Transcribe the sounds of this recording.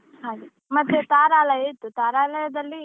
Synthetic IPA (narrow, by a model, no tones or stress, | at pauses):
haːɡ̪i | mɐt̪ːut̪aːɾaːlɐjɐit̪ːut̪aːɾaːlɐjɐd̪ɐlːi